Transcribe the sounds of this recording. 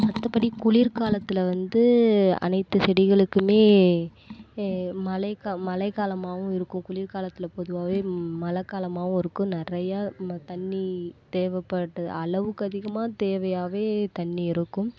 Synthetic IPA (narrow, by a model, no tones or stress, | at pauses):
ɐt̪ːɐpːɐɽikʊɭiɾkaːlɐt̪ːɪlɐʋɐnd̪ɯɐ̰nɐɪt̪ːɯsɛɽɪɣɐɭɯkːɯmeː | mɐlɐɪkamɐlɐɪkaːlɐmaːʋɯ̃ɪɾɯkːɯ̃mkʊɭiːɾkaːlɐt̪ːɪlɐpɔðɯʋaːʋeːmɐlɐkːaːlɐmaːʋɯ̃ɪɾɯkːɯ̃nɪrɐjaːt̪ɐɳːit̪eːʋɐpːɐʈːɐð̰ɐlɐʋɯkːɯɐðɪɣɐmaːt̪eːʋɐjaːʋeːt̪ɐɳːiɪɾɯkːɯ̃m